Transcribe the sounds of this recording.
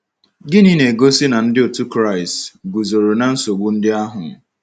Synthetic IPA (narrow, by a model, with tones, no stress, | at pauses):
ɡɪ˦ni˦ne˨ɡo˦si˦na˨n̩˦dɪ˦o˨tu˦kɾa˦˨ɪ˨stɡu˨zo˨ɾo˨na˨n̩˦so˨ɡ͡bu˨n̩˦dɪ˦a˦ɦʊ̰˨